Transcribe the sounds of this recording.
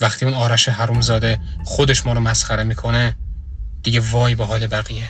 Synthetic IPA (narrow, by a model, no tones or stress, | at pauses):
væxt̪ʰiːunɒːɾæʃeɦæɾuːmzɒːd̪e̞xod̪eʃmɒːɾomæsχæɾemiːkʰo̞ne | d̪̥iɡevɒːjbeɦɒːlebæɣije